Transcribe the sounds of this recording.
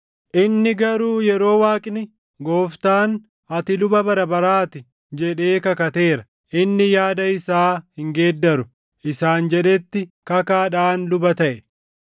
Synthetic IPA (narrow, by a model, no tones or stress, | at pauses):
ʔɪnːɪɡɐɾuːjɛɾo̞ːwaːkʼnɪ | ɡo̞ːft̪aːn | ɐt̪ɪlʊbɐbɐɾɐbɐɾaːt̪ɪ | d͡ʒɛᶑe̞ːkɐkɐt̪e̞ːɾɐ | ʔɪnːɪjaːd̪ɐɪsaːhɪŋɡeːd̪ːɐɾʊ | ʔɪsaːnd͡ʒɛᶑɛt̪ːɪkɐkaːᶑaːnlʊbɐt̪ɐʔɛ